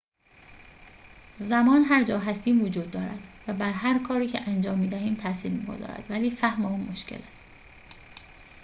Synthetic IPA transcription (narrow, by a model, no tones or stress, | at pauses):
zæmɒːnɦæɾd͡ʒɒːɦæst̪iːmvod͡ʒuːd̪̚ːɒːɾæd̪̥væbæɾɦæɾkʰɒːɾiːcʰeʔænd͡ʒɒːmːiːd̪æhiːmt̪ʰæsiːlmḭːɡo̞̰zɒ̰ːɾæ̰d̪̥væliːfæhmeuːnmoʃcḛlæst̪